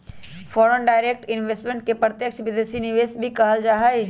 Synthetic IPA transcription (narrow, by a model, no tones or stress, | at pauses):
fɔːɾənɖaːɪɾeːk̚ʈɪnʋeːsʈmẽɳʈ̚kepɾət̪jəkʃʋɪd̪eːʃinɪʋeːsbʱikɐɦəld͡ʒaːɦai